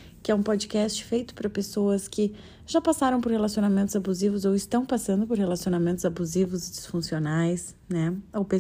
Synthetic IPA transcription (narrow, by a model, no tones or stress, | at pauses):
kɪɛũpɔd͡ʒikɛst͡ʃɪ̥fejt̪ʊ̥pɾɐpesoɐskɪ | ʒ̥apasaɾɐ̃w̃poɾhelasionamẽnt̪ʊzabuzivʊzowɪst̪ɐ̃w̃pasɐ̃nd̪ʊpoɾhelasionamẽnt̪ʊzabuzivʊzɪd͡ʒɪsfũsionajs | nɛowpe